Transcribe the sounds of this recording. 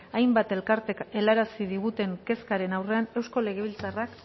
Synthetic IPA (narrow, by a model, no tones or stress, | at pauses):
ajmbat̪e̞lkaɾt̪e̞ke̞laɾasiðiɣ̞ut̪e̞ŋke̞skaɾe̞nawre̞ane̞wsko̞le̞ɣe̞βilt͡sarak